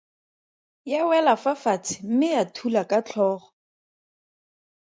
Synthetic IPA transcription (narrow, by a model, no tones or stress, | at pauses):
jawɛlafafat͡sʰɪ̥m̩mɪjatʰulakʼat͡ɬʰɔːχɔ